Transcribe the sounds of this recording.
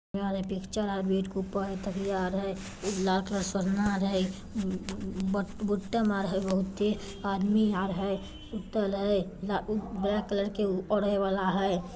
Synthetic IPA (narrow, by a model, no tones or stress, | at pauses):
eaɾɦɛpɪkt͡ʃəɾɦabeːʈkupəɦɛt̪əkʰjaɾɦɛ | laːlkələɾsəɾnaɾɦɛ | bbuʈːəmaɾɦɛbəɦʊt̪ːe | ad̪miaːɾɦɛ | sut̪əlɦɛlabɾɛkːələɾkeɔɽeʋalaɦɛ